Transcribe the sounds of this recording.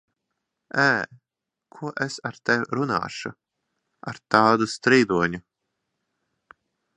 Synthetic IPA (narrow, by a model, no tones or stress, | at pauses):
æː | kʰuɔʔesaɾt̪ɛwɾuna̰ːʃu | a̰ɾt̪aːd̪ust̪ɾiːd̪uɔɲu